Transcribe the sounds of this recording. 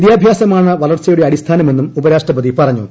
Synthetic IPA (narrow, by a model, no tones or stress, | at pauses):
ðjaːbʱjaːsɐmaːɳɨʋɐlɐrt͡ɕɐjuɽe̞ɐɽist̪ʰaːnɐme̞nːumubɐɾaːʂʈrɐbɐðipɐrɐɲːṵ